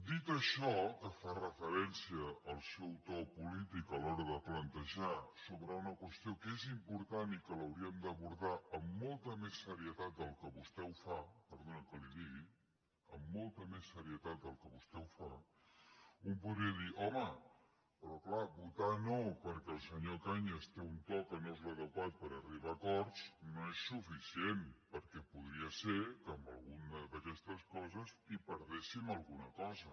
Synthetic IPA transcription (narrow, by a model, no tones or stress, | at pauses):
d̪it̪əʃɔkəfarəfəɾɛnsiəːlˠsɛwt̪ɔpulit̪ikəlɔɾəðəplənt̪əʒasoβɾəunəkwəst̪iokezimpuɾt̪anikələwɾiəmd̪əβuɾðaəmːɔlˠt̪əmesːəɾiət̪at̪̚d̪əlˠkəβust̪ɛwfapəɾðonəkəliðiɣi | ə̰mːɔlˠt̪əmesːəɾiət̪at̪̚d̪əlˠkəβust̪ɛwfa | umpuðɾiəðiʔɔmə | pɾɔklabut̪anopəɾkɛəlˠsəɲokaɲəst̪eunt̪ɔkənozləðəkwat̪̚pəɾəriβ̞akɔɾsnoesːufisienpəɾkɛpuð̞ɾiəseɾkəːmbə̰lˠɣunəd̪əkɛst̪əskɔzəzipəɾðesiməlˠɣunəkɔzə